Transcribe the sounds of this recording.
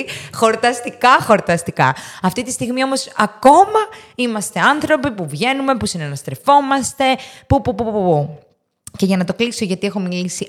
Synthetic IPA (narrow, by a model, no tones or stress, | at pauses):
xo̞ɾt̪ɐst̪ikɐxo̞ɾt̪ɐst̪ikɐ̰ɐft̪it̪ist̪iɣmio̞mo̞sɐko̞mɐimɐst̪e̞ɐnθɾo̞pipuvʝe̞nume̞pusinenɐst̪ɾe̞fo̞mɐst̪e̞pupupupuu | ce̞ʝɐnɐt̪o̞kliso̞ʝɐt̪ie̞xo̞milisi